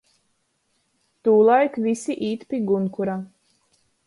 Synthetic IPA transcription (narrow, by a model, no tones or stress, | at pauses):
t̪uːlˠajkvʲisiʔiːt̪pʲiɡunkuɾa